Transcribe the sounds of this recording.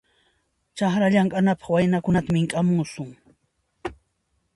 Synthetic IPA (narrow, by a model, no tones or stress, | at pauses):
t͡ʃaχɾaʎaŋɢʼanapɑ̥χwajnakʊnat̪amɪŋkʼamʊsʊŋ